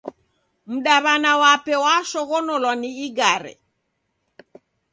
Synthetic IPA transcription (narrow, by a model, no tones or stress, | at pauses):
m̩ɗaβanawapɛwaʃɔɣɔnɔlwaniiɡaɾɛ̰